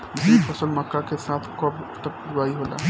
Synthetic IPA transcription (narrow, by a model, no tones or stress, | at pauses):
d͡ʒipʰɔsəlməkːakesaːt̪ʰkɔbt̪ək̚ɡuaːiɦola̰